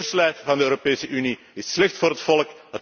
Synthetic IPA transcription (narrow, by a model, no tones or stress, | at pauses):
əslœɥtvɑndəøːɾopeːsəʔyni | ɪslɛxtfoːɾɦətfɔlˠkət